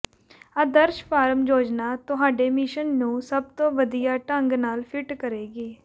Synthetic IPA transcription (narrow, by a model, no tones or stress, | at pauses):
əd̪əɾʃpʰaːɾəmd͡ʒoːd͡ʒnaːt̪ʊɦaːɖeːmɪʃənːũːsəb̚t̪õːʋəd̪ijaːʈəŋɡnaːlpʰɪʈkəɾeːɡeː